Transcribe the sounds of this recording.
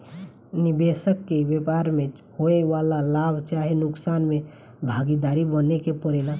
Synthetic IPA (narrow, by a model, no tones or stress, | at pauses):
nibesəkːebepaɾme | hoeʋalalabʱt͡ʃaɦenuksanme | bʱaɡid̪aɾibənekepəɾela